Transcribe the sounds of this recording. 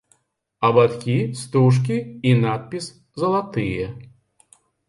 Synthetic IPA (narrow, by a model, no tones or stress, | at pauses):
ɐbat̪kʲist̪uʂ̬k̬ʲiːnat̪̚pʲis | zɐlˠat̪ɨjɛ